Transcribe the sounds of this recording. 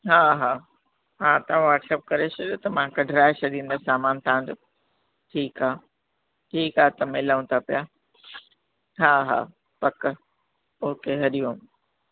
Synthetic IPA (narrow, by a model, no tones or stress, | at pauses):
ɦaːɦaː | ɦãːt̪ɐãʋaːʈsɛːp̚kɐɾesɐɗot̪ɐmãkɐɖʱɾaːesɐd̪ĩːn̆d̪asaːmaːnt̪ʰãɦɪ̃ɲd͡ʑoː | ʈʰiːkaː | ʈʰiːkaːt̪ɐmɪləʋũt̪apija | ɦaːɦa̰ː | pɐk | oɦkeɦɐɗijũ